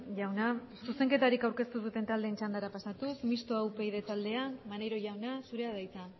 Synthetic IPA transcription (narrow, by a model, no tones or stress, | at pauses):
ʝawna | suse̞ŋke̞t̪aɾikawɾke̞st̪usut̪e̞nt̪ald̪eːnt͡ʃand̪aɾapasat̪usmist̪oawpe̞iðe̞t̪ald̪e̞amanejɾo̞jʝawnasuɾe̞aðajt͡sa